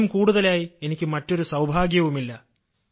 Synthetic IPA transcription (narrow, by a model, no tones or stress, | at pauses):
umkuːɽuðɐlaːjie̞nikʲːɨmɐtːo̞ɾusɐwbʱaːɡjɐʋumilːɐ